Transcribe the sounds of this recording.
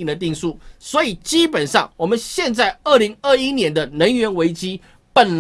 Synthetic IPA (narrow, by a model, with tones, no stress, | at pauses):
ŋd̪ə˩t̪̬i˥˧ŋsu˥˩swɔ˧˥i˨˩t͡ɕi˦pə˨˩nʂɑ˥˨˩ŋwɔ˨˩mə˦nɕjɛ˥˧nt͡sa˥˩ɪə˥˩li˧˥ŋə˥˩i˦˥njɛ˧˥nd̪ə˧nə˧˥nɥɛ˧˥nwe˧˥ɪt͡ɕi˥ | pə˨˩nl